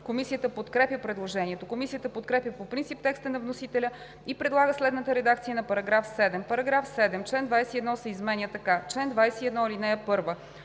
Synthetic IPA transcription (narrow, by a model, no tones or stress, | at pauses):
komisijət̪əpot̪kɾɛpjʲəpɾɛd̪lˠoʒɛniɛt̪okomisijət̪əpot̪kɾɛpjʲəpopɾint̪sip̚t̪ɛkst̪ənɐvnosit̪ɛlʲə | ipɾɛd̪lˠaɡəslɛd̪nət̪əɾɛd̪ak̚t̪sijənɐpɐɾɐɡɾafsɛd̪ɛmpɐɾɐɡɾafsɛd̪ɛmt͡ʃlɛnd̪vajsɛiɛd̪nɔsɛizmɛnʲjət̪ɐkat͡ʃlɛnd̪vajsɛiɛd̪nɔilinɛjəpɤɾvə